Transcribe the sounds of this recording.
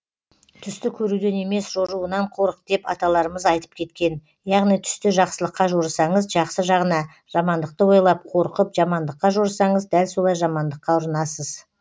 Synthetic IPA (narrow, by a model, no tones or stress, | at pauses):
t̪ʰʏst̪ɪkʲʰɵɾud̪e̞ne̞me̞sʒ̥o̞ɾuənɑɴqʰo̞ɾəq̚d̪̥e̞pɑ̰t̪ɑlˠɑɾəməzɑjt̪ə̥p̚kʲʰe̞t̪kʲe̞n | jɑʁnijt̪ʰʏ̥st̪ɪʒɑqsəlˠəqːɑʒoɾsɑɴəzʒɑqsəʒɑʁənɑ | ʒ̥ɑmɑnd̪əq̚t̪əwojlˠɑp̚qʰo̞ɾqəpʒɑmɑnd̪əqːɑʒoɾsɑɴəzd̪ælso̞lˠɑjʒɑmɑnd̪əqːɑʊɾənɑsəz̥